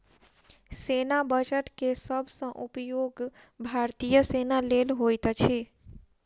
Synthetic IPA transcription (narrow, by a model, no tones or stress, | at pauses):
senabəd͡ʒəʈkesəbʱsə̃ʔupjoɡ | bʱaɾt̪ijəsenalelɦojt̪t͡ʃʰi